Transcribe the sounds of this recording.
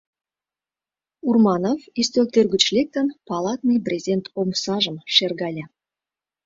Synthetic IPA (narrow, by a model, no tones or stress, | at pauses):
urmɑnofist̪ølt̪ørɡə̆t͡ɕlʲek̚t̪ə̆npɑlˠɑt̪nɨjprʲezʲent̪ʰomsɑʒə̆mʃerɣɑlʲæ